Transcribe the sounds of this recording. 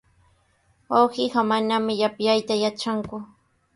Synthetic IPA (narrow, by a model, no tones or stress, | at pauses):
wawɢɪɢɑmanamɪʎapjajt̪ajat͡ʃaŋkʊ